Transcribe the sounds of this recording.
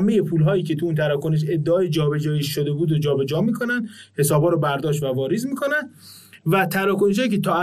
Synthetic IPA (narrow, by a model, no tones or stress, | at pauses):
me̞je̞pʰuːlɦɒːjiːcʰe̞t̪ʰuuːnt̪ʰæɾɒkoneʃ̬e̞d̪ːeɒːjed͡ʒɒːbe̞d͡ʒɒːjiʃʃod̪ebuːd̪od͡ʒɒːbe̞d͡ʒɒːmiːkʰo̞nænd̪he̞sɒːbhɒːɾɔbæɾd̪ɒːʃ̬t̪vævɒːɾizmiːkʰo̞nænd̪ | væt̪ʰæɾɒːkoneʃ̬hɒːjicʰet̪ʰɒːæ